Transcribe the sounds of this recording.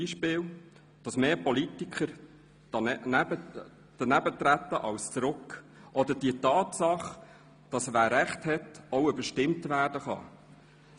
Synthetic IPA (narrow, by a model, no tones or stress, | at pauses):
iʃpɪːl | d̥ɑsmeːpɔlitikχəɾ | d̥ɑæbə | d̪̥ənæbət̪ɾæt̪ːəʔɑwst͡sɾʊkʔɔd̪əd̥iətɑːtsɑχ | d̥ɑsvæːɾæχthɛtɔʊybəʃtɪmtvæːrd̥əχɑ̰